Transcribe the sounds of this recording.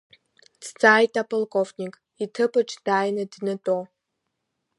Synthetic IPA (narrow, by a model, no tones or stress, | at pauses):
t͡st͡sʼaːjtʼapʼolkʼovnʲikʼ | itʰɨpʼɨʈ͡ʂʰd̥aːjnɨdnɨtʼo